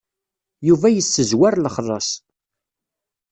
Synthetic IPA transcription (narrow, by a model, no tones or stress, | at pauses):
juvæjəsːəzwæɾləχrˤːɑsˤ